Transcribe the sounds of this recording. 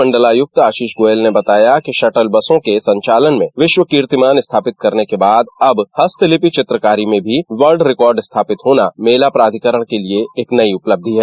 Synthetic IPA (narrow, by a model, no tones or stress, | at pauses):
ɐ̃ɳɖəlaːjʊk̚t̪aːʃiːʃɡoːelnebɐt̪aːjakiʃɐʈəlbɐsõkesɐ̃ɲt͡ʃaːlənmẽʋɪʃwəkiːɾt̪ɪmaːnɪst̪ʰaːpɪt̪̚kɐɾnekebaːd̪ɐbhɐst̪ʰɪlɪpit͡ʃɪt̪ɾəkaːɾimẽbʱiʋəɾɖɾɪkɔːɾɖɪst̪ʰaːpɪt̪ɦoːnameːlapɾaːd̪ʱikəɾəɽ̃kelieeːknɐiʊpləb̚d̪ʱiɦɛː